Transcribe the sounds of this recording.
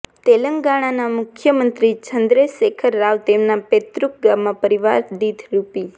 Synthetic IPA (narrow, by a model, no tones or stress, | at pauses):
t̪eləŋɡaɽ̃anamʊkʰjəmənt̪ɾit͡ʃʰənd̪ɾesekʰəɾːaʋt̪emnapet̪ɾuk̚ɡamːãpəɾiʋaɾd̪it̪ʰɾupi